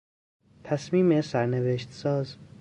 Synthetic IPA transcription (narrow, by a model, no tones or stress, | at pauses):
t̪ʰæsmiːmesæɾneveʃt̪sɒːz